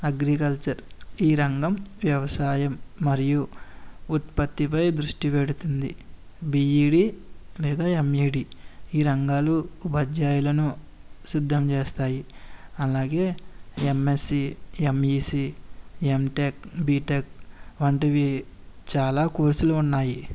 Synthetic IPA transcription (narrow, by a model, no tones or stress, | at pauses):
ɐɡɾikɐlt͡ʃɐɾiːɾɐŋɡɐmʋjɐʋɐsaːjɐmːɐɾiju | ut̪pɐt̪ːipɐjd̪ɾuʂʈipeɽut̪und̪i | biːiːɖiːlɛːd̪aːemiːɖiiːɾɐŋɡaːlubɐd͡ʒaːjulɐnu | sid̪ʱːɐmt͡ʃeːst̪aːjiɐlaːɡe̞ːemːesiemiːsiemʈekbiːʈekʋɐɳʈiʋi | t͡ʃaːlaːkuːɾsuluːnːaːji